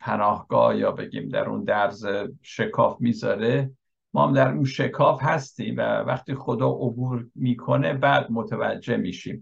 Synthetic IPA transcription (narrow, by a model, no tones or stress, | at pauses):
pʰænɒːhɡ̥ɒ̰ːhjɒːbe̞ɡḭːmd̪æ̰ɾṵnd̪æɾzeʃekʰɒːfmiːzɒ̰ːɾe | mɒːhæmd̪æɾunʃe̞kʰɒːfhæst̪iːmvæ̰væχt̪iːxod̪ɒːʔobuːɾmiːkʰo̞ne̞bæːd̪̚mot̪ʰævæ̰d͡ʒːe̞miːʃiːm